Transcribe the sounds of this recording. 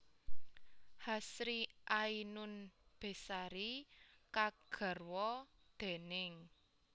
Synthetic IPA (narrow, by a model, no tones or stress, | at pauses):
hasɾiʔainʊnb̥e̤saɾikaɡ̥ə̤rwɔd̪̥e̤nɪŋ